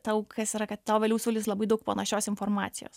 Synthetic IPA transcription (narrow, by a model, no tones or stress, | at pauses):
t̪ɐʊkʰɐsiːɾɐkɐt̪t̪ɑʋʲɛːlʲuːsuːlʲɪslˠɐbɐɪd̪ɐʊkpɐnɐʃʲoːsɪnfoːɾmɑ̰ːt̪sʲɪjo̰ːs